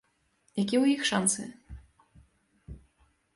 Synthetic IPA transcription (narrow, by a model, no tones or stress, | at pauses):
jak̬ʲiwjixʂansɨ